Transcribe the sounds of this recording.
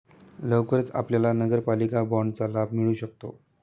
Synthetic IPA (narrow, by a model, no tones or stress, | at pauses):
ləʋkəɾet͡sa̰pljalanəɡəɾpalikabɔɳɖt͡salab̚ʱmiɭuːɕək̚t̪o̰